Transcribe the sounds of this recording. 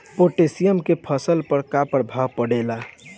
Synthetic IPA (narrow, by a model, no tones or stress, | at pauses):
poʈesijəmkepʰəsəlpəɾkapəɾbʱapəɽela